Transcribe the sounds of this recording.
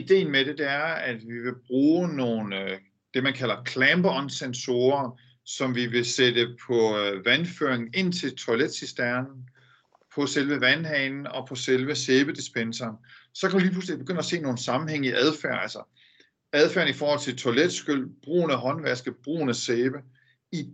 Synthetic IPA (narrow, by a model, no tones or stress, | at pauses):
id̥e̝̰ːn̩mede̝d̥e̝æɐæd̥ʋiʋe̝b̥ʁuːno̝ːn | d̥e̝mænkʰæl̰ɐkʰlæmb̥ɒnsenso̝ːɐ | sɒ̽mʋiʋe̝sed̥əpʰɒ̽ʋænføɐ̰eŋn̩e̝n̰t͡sʰe̝lt͡sʰoled̥sisd̥æɐnn̩ | pʰɒ̽selʋəʋænhɛːnn̩ɒ̽pʰɒ̽selʋəseːb̥əd̥isb̥ensɐːnsɒ̽kʰæ̥iliːpʰlus̬lib̥eɡ̥øn̰ɐse̝̰ːno̝ːn̩sɑ̈mm̩heŋ̰əiʔæð̞ˠfæɐ̰ælsɐ | æðˠfæɐn̩ifɒːhɒl̰t͡sʰe̝lt͡sʰo̝led̥sɡ̥øl̰b̥ʁṵːnəɦɒ̽nʋæɐsɡ̥əb̥ʁṵːnəseːb̥ə | i